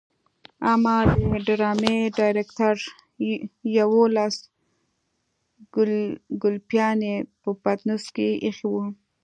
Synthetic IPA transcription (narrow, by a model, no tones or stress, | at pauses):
amɑd̪əɪɖɾɑmeɖɑjɾekt̪aɾ | jawolas | ɡʊlpjɑnepəpat̪nuskeixiwu